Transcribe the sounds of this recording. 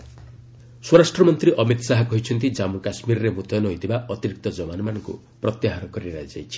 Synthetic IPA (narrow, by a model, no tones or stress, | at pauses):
swɔɾasʈɾɔmɔnt̪ɾiʔɔmit̪saɦɔkɔɦit͡ʃʰɔnt̪id͡ʒamukasmiɾɔɾemut̪ʰɔnɔɦojd̪ibaʔɔt̪iɾik̚t̪ɔd͡ʒɔbanɔmanɔŋkṵ | pɾɔt̪jaɦaɾɔkɔɾiɾa̰jd͡ʒa̰jt͡ʃʰi̥